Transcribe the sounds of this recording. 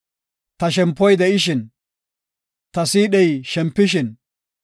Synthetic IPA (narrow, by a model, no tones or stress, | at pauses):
t̪ɐʃ̬ɛmpːɔjd̪ɛʔɪʃɪn | t̪ɐsiːɗɛjʃɛmpːɪʃɪn